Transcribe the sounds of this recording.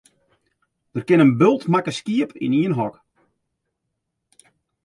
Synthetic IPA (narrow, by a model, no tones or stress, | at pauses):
d̥ərkɪnənbølˠtmakəskiəpʰḭniənɦɔk